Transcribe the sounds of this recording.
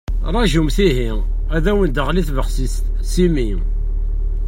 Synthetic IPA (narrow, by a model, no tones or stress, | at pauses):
ɾˤɑʒumθiɦi | æðæwənd̪əʁliθvəχsist̪ | simi